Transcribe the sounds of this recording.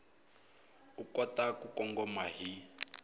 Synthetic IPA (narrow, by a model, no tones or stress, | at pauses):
ukɔtakukɔŋɡɔmaɦi